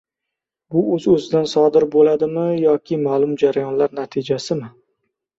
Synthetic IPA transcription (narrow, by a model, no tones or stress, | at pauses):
bʊɵzɵzɪd̪ansɒd̪ɪɾbolad̪ɪmɪjɒkʲʰɪmalˠʊmd͡ʒaɾajɒnlaɾnat̪ʰɪd͡ʒasɪmɪ